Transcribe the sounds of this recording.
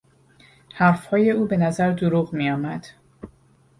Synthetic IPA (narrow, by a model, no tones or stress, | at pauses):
hæɾfhɒːje̞uːbe̞næzæɾd̪oɾuːɣmijɒːmæd̪̥